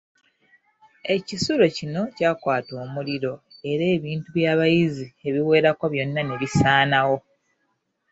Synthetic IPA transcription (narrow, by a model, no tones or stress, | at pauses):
e̞cisuɾo̞cino̞caːkwaːto̞ːmuliɾo̞e̞ɾe̞ːβiːntuβjaːβajizie̞βiwe̞ːɾakoβjo̞nːane̞βisaːnawo̞